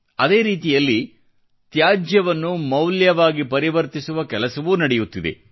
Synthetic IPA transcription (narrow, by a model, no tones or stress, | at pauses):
ɐd̪e̞ːɾiːt̪ijɐlːi | t̪jaːd͡ʒjɐʋɐnːumɐwljɐʋaːɡipɐɾiʋɐɾt̪isuʋɐkɛlɐsɐʋuːnɐɽejut̪ːid̪ḛ